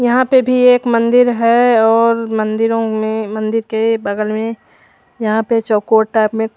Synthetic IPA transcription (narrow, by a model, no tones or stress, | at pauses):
jɐɦãpebʱieːkmɐ̃nd̪ɪɾɦɛɔːɾmɐ̃nd̪ɪɾõmẽmɐ̃nd̪ɪɾkebɐɡəlmẽ | jɐɦãpet͡ʃɔːkoːʈːaːpmẽ